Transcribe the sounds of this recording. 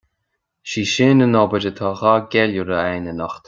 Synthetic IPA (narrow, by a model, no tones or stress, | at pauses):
ʃiːʃɪːnənɔbəd͡ʒət̪ʰɑːɣaːɡɛluɾəɛjnənɔxt̪